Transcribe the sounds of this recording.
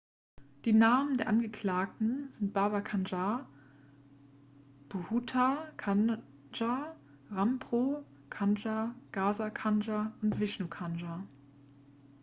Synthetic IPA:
d̥iːnaːməndeːɐʔanɡəkl̥aːk̚tn̩z̥ɪnt̚b̥aɐbaɐkʰand͡ʒa | d̥ohutʰakʰan | d͡ʒa | ʁampʁ̥o | kʰand͡ʒaɡ̥aːzakʰand͡ʒaʊntv̥ɪʃnukʰanʒa

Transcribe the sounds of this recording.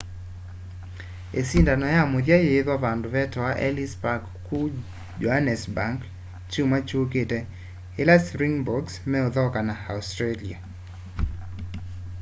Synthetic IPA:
esindanɔjamoðjajeðɔvandʊvɛtɔwaʔɛ̰lispakː | u | d͡ʒɔhanɛsbaŋk | t͡ʃumat͡ʃoketɛ | elasɾiŋbɔɡsmɛoðɔkanaastɾelia̰

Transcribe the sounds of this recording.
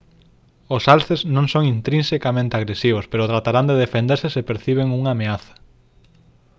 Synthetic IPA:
osalθeznõŋsoŋint̪ɾĩnsekamẽnt̪eaɣɾesiβ̞ospeɾʊt̪ɾat̪aɾand̪eðefend̪eɾsesɪpeɾθiβ̞eŋuŋaːmeaθɐ̥

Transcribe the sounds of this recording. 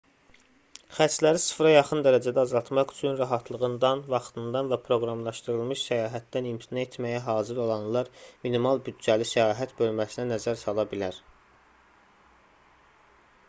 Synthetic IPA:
χæt͡ʃʰlæɾisɯ̥fɾɑjɑχɯnd̪æɾæd͡ʒæd̪æːzɑlˠt̪ʰmɑχy̥t͡ʃʰynɾæɦɑt̪ʰlˠɯɣɯnd̪ɑnvɑχt̪ʰɯnd̪ɑnvæpʰɾo̞ɡɾɑmlˠɑʃt̪ɯɾɯlˠmɯʃsæjɑːɦæt̪̚d̪ænimt̪ʰinet̪ʰmæjæɦɑːziɾo̞lˠɑnlˠɑɾminimɑlˠbyd̪̚d͡ʒælisæjɑːɦæt̪bø̞lmæsinænæzæɾsɑlˠɑbilæɾ

